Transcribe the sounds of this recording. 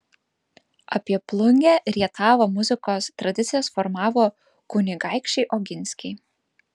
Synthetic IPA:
ɐpʲiɛplˠʊŋʲɡʲæːɾʲiɛt̪ʰɑːʋoːmʊzʲɪkoːst̪ɾɐd̪ʲɪt̪sʲɪjɛsfɔɾmɑːʋoː | kʊnʲɪɡɑˑɪkʃʲt͡ʃʲɛɪʔɔɡʲɪnʲsʲkʲɛɪ

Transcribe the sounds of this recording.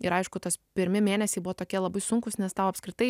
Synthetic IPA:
ɪɾɐɪʃkʊt̪ospʲɪɾʲmʲɪmʲeːnʲɛsʲɛɪbʊʋoːt̪oːkʲiɛlˠɐbɐɪsʊŋkʊsnʲɛst̪ɐʊɐpʲskʲɾʲɪt̪ɐɪ

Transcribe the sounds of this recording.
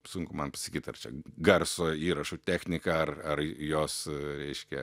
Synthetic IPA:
sʊŋkʊmɐnpɐsʲɪkʲiːt̪ɐ̰rt͡ʃʲɛ̰ɡɐrsoːiːɾɐʃʊt̪ʲæːxʲnʲɪkɐɐrɐrjoːsɾʲɛɪʃʲkʲɛ

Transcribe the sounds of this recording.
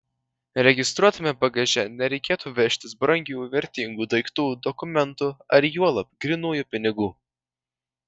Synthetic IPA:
ɾʲɛɡʲɪst̪ɾuɔt̪ɐmʲɛpɐɡɐʒʲɛnʲɛɾʲɛɪkʲeːt̪uːʋʲɛʃʲt̪ʲɪsbɾɐŋʲɡʲuːʋʲɛɾʲt̪ʲiŋɡuːd̪ɐɪkt̪uːd̪ɔkʊmʲɛnt̪uɐɾjuɔlˠɐpʲɡɾʲinuːjuːpʲɪnʲɪɡuː

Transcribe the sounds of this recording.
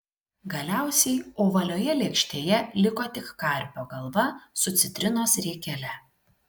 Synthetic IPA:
ɡɐlʲæˑʊsʲɛɪoːʋɐlʲoːjɛlʲɛkʃʲt̪ʲeːjɛlʲɪkoːt̪ʲɪkːkɐˑɾʲpʲoːɡɐlˠʋɐsʊt̪sʲɪt̪ʲɾʲɪnoːsɾʲɛːkʲɛlʲɛ

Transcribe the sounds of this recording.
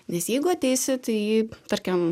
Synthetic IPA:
nʲɛsjɛɪɡʊɐt̪ʲɛɪsʲɪt̪ɐɪjiːt̪ɐrʲkʲɛm

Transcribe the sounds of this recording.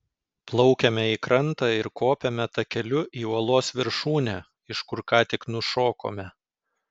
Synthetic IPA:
plˠɔʊkʲɛmʲɛiːkɾɐnt̪ɑːɪɾkoːpʲɛmʲɛt̪ɐkʲɛlʲʊʔiːuɔlˠoːsʋʲɪɾʃuːnʲæː | ɪʃkʊɾkɑːt̪ʲɪknʊʃoːko̰ːmʲɛ

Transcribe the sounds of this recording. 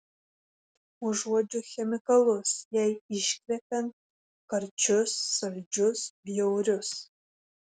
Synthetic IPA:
uʒuɔd͡ʒʲuːxʲɛmʲɪkɐlˠʊsjɛjɪʃkʲɾʲɛpʲɛnt̚ | kɐɾt͡ʃʰʊsːɐlʲd͡ʒʊsbʲjɛwɾʲʊs

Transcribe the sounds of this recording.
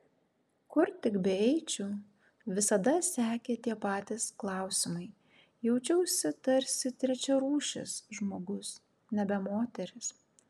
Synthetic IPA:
kʊɾt̪ʲɪkbʲɛɛɪt͡ʃʲu | ʋʲɪsɐd̪ɐsʲæːkʲeːt̪ʲiɛpɑːt̪ʲɪsklˠɑˑʊsʲɪmɐɪ | jɛʊt͡ʃʲɛʊsʲɪt̪ɐɾʲsʲɪt̪ʲɾʲɛt͡ʃʲɛɾuːʃʲɪ̰sʒmoːɡʊs | nʲɛbʲɛmoːt̪ʲɛɾʲɪs

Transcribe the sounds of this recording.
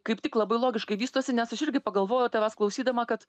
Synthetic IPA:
kɐɪpt̪ʲɪklˠɐbɐɪlˠoːɡʲɪʃkɐɪʋʲiːst̪oɔsʲɪnʲɛsɐʃɪɾʲɡʲɪpɐɡɐlˠʋoːjot̪ʲɛʋʲɛsklˠɐʊsʲiːd̪ɐmɐkɐt̪

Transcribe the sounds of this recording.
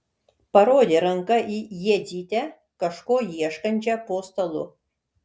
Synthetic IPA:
pɐɾoːd̪ʲeɾɐŋkɐʔijɛd̪ʲiːt̪ʲɛ | kɐʃkoːjiɛʃkɐnʲt͡ʃʲɛpoːst̪ɐlˠʊ̰

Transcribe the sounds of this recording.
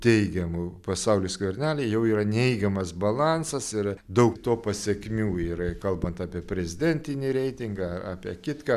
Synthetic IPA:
t̪ʲɛɪɡʲɛmʊpɐsɐʊlʲʊːskʋɐrʲnʲæːlʲɛjɛʊiːɾɐnʲɛɪɡʲɛmɐsbɐlˠɑːnsɐsɪrd̪ɐʊkt̪oːpɐsʲɛkʲmʲuːiɪrɐkɐlˠbɐnt̪ɑːpʲiɛpʲɾʲɛzʲɪd̪ʲɛnʲt̪ʲɪnʲɪɾʲɛɪt̪ʲɪŋɡɑɐɑːpʲiɛkʲɪt̪kɑ

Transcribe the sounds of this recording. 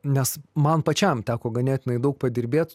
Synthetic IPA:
nʲɛsmɐnpɐt͡ʃʲɛmt̪ʲæːkoːɡɐnʲeːt̪ʲɪnɐɪd̪ɐʊk̚pɐd̪ʲɪɾʲbʲeːt̪

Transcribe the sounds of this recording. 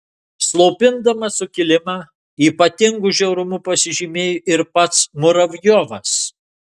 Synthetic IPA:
slˠoʊpʲɪnd̪ɐmɐsʊkʲɪlʲɪmɑː | iːpɐt̪ʲɪŋɡʊʒʲɛʊɾʊmʊpɐsʲɪʒʲimʲeːjʊʔɪɾpɐt̪smʊɾɐʋʲjoːʋɐs

